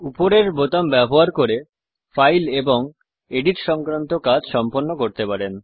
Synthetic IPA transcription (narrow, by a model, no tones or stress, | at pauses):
upoɾeɾbot̪ambɛboɦaɾkoɾe | fajleboŋ | eɖiɾʃɔŋkɾant̪okad͡ʑʃɔmponːokoɾt̪epaɾen